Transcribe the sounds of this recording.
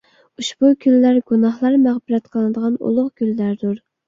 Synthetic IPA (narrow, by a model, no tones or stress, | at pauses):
uʃb̥ukʲʰylːæɾɡunɑχlˠɑɾmæʁbɪɾɛt̪qʰəlˠɨnɨd̪əʁɑnṵlˠʊχkʲyllæɾd̪uɾ